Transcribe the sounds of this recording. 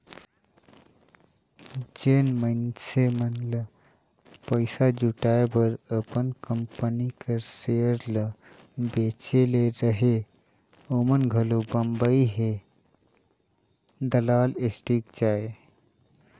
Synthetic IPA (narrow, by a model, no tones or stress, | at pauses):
d͡ʒeːnmənsemənlə | pəɪsad͡ʒuʈaːebəɾəpənkəmpənikəɾsejəɾlə | beːt͡ʃeleɾəɦe | omənɡʱəlobəmbəiɦe | d̪əlaːlesʈikd͡ʒaːe